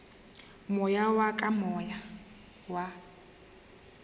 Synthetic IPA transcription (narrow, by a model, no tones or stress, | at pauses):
mɔjawakʼamɔja | wa